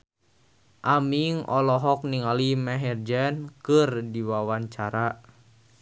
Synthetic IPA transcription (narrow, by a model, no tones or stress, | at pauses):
ʔamiŋɔlɔɦɔk̚niŋalimɛɦɛrd͡ʒɛnkɨrdiwawaɲt͡ʃaɾa